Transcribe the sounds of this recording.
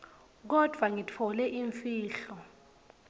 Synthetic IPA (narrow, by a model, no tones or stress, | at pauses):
k̬ɔd̥ʱwaŋitʰɔlɛʔiɱfiːɬɔ